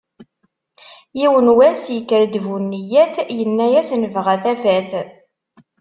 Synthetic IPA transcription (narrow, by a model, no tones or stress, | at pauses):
jiwənwæsjəkːəɾd̪vunːijæθjənːæjæsnəvʁæθæfæθ